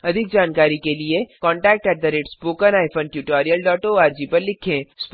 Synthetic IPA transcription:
ɐd̪ʱɪk̚d͡ʒaːnkaːɾikeliekɔ̃ːɳʈɛːk̚ʈɛʈ̚d̪əɾeːʈspoːkənaːjpʰənʈjuʈaːɾijəlɖɔːʈoaːɾd͡ʒipəɾlɪkʰẽsp

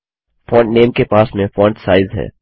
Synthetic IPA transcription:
fɔ̃ːɳʈneːmkepaːsmẽfɔ̃ːɳʈsaːɪzɦɛ̰ː

